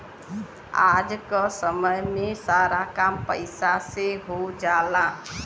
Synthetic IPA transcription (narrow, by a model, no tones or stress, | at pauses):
a̰d͡ʒkəsəməjmẽsaːɾakampəɪsaseɦod͡ʒaːla